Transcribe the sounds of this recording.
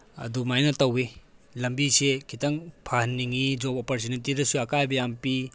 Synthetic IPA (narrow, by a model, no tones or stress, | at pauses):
ɐ̰dumajnɐtɐwelɐmbisekʰitɐŋpʰahnːiŋid͡ʒopɔpaɾs̬inentiɾɐsuɐkajbɐjampi